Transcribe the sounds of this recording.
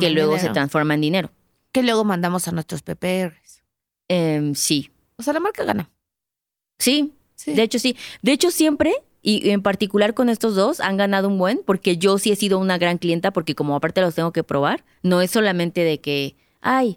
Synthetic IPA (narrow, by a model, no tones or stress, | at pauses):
kelwe̞ɣo̞se̞t̪ɾansfo̞ɾmaend̪ine̞ɾo̞ | ke̞lweɣomãnd̪amo̞sanwest̪ɾospepeeres | emsi | osealamaɾkaɣa̰na | si | side̞et͡ʃo̞sid̪e̞et͡ʃo̞sje̞mpɾe̞ | iʔempaɾt̪ikulaɾko̞ne̞st̪o̞zðo̞sa̰ŋɡanað̞oumbwe̞npo̞ɾke̞ʝo̞sie̞siðo̞unaɣɾaŋklje̞nt̪apo̞ɾke̞komoapaɾt̪eelost̪e̞ŋɡo̞ke̞pɾʔo̞β̞aɾ | no̞e̞sːo̞lamẽnt̪e̞ðe̞ke̞ | aj